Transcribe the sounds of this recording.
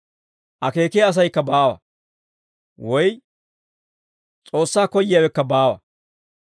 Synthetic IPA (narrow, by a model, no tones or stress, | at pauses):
ʔɐke̞ːkeːɐs̬ɐjkːɐbaːwɐ̰ | wɔj | t͡sʼo̞ːsːaːkɔjːɪjaːwɛkːɐbaːwɐ̰